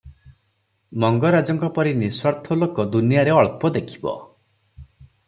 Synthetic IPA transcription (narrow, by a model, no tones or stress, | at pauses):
mɔŋɡɔɾad͡ʒɔŋkɔpɔɾineswaɾt̪ʰɔlokɔd̪unijaɾeɔɭpɔd̪ekʰi̥bɔ̰